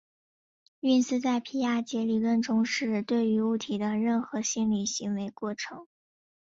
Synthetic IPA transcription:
y˥˩nsɹ̩˥t͡sa˥˩ɪpʰi˧˥ja˥˩t͡ɕjɛ˧˥li˨˩lə˥˩nʈ͡ʂʊ˥ŋʂɻ̩˥˧t̪we˥˩ɪy˧˥u˥˩t̪ʰi˨˩d̪ə˦ɻə˥˩nxɤ˧˥ɕi˥nli˨˩ɕi˧˥ŋwe˧˥ɪkwɔ˥˩ʈ͡ʂʰɤ˧˥ŋ

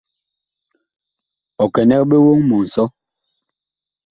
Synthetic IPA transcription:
ɔ˨kɛ˨nɛ˦k̚ɓe˦wo˦ŋmɔ˨n̩˨sɔ˦

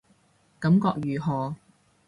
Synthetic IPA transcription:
kɐ˨˥mkɔː˧k̚jyː˨ɦɔː˨

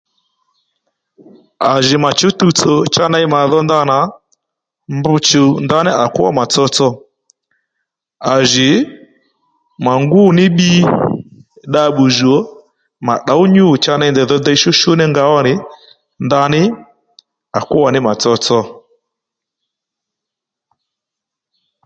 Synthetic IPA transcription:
a˨ʒɪ˨ma˨t͡ʃu˨˦tu˧t͡so˨t͡ʃa˦na˧ɪ˦ma˨ðɔ˦nd̪a˧˦na˨˦ | mbʊ˧t͡ʃu˨nd̪a˧nɪ˦ʔa˨kʊ˦wa̰˦˨ma˨t͡sɔ˧t͡sɔ˧ | a˨ʒɪ˨ | ma˨ŋɡu˦˨nɪ˦ɓi˦ | ɗa˧ɓu˨ʒɔ˨˦ | ma˨ɗa˨˦u˦ɲu˦˨t͡ʃa˧na˧ndɛ˨ðɔ˧d̪ɛ˦˧i˦ʃu˦ʃu˦nɪ˦ŋɡa˧wɔ˦nɪ˨˦ | nd̪a˧nɪ˦ | a˨kʊ˦wa˨nɪ˦ma˨t͡sɔ˧t͡sɔ˧

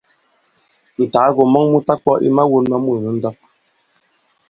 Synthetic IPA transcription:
n̩˨ta˨˦ɣo˨mɔ˦ŋmu˦ta˦k̚k͡pɔ˦ʔḭ˦ma˦wo˦nma˦mu˦˨nu˨˦n̩˦dɔ˦p̚

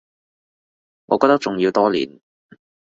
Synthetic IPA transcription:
ŋɔː˧kɔː˧t̪ɐ˥k̚t͡ʃʊ˨˩ŋjiː˧wt̪ɔː˥lḭː˨˩n

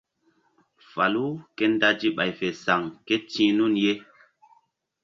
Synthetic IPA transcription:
fa˨lu˦ke˦nda˦d͡ʒi˦ɓa˨jfe˨sa˨ŋke˦tĩː˦nu˦˨nje˦

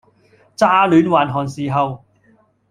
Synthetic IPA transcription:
t͡saː˥lyː˨˥nwaː˨nɦɔː˨nsiː˨ɦɐ˨w

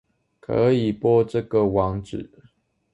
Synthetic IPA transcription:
kʰə̰˧˦i˨˩pwɔ˥˧ʈ͡ʂə˥˨ɡə˨wɑ˧˦ŋʈ͡ʂɻ̩˨˩˦

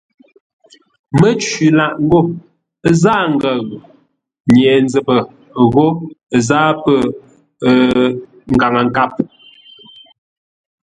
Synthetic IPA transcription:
mə˦t͡ʃi˨la˨ʔŋ˦ɡo˦˨˦ | za˦ŋ̩˦ɡə˨ɣ | ɲɛː˨n˦d͡zə˨pə˨ | ɣo˦˨zaː˦pə˦˨˦ | ŋ̩˨ɡa˨ŋə˨ŋ˨ka˦p̚

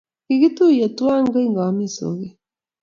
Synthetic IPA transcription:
kiɣi˦tu˦i˨e˨twa˦ŋɡa˦i˦ŋɡa˨wa˨mi˦˨so̰˨ɣi˦

